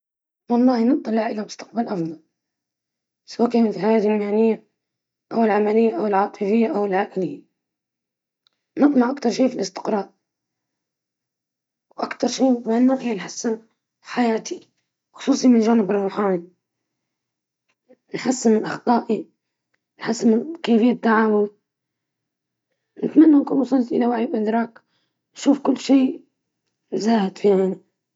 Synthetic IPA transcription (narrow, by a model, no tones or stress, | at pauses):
wɑlˤːɑːhinɨb̚t̪ˤːɑlɪʕʔɪlamʊst̪aq̚balʔɑfd̪ˤɑl | sawaːkaːnat̪fiħajaːd̪lmaʕnɪjːa | ʔawɪlʕamalɪjːaʔawɪlʕɑːt̪ˤɨfɪjːaʔawɪlʕaːʔɪlɪjːa | nɪqlɑʕʔakt̪ɑɾˤʃiːfilʔɪst̪ɪ̥qɾˤɑːɾˤ | wʔakt̪ɑɾˤʃiːmaʕnːaːʔijanħasːɪn | ħajaːt̪i | xʊ̥sˤuːsˤimɪnʒaːnɪbɪrˤːuħaːni | nħasːɪmɪnʔɑxt̪ˤɑːʔi | nħasːɪmɪkeːfɪjːat̪ːaʕaːwʊl | nɪt̪manːankunʊsˤʊltʔɪlawaʕiːbʔɪd̪ɾˤɑːk | nʃuːfkʊlːʃiː | zaːhɪd̪fiaːni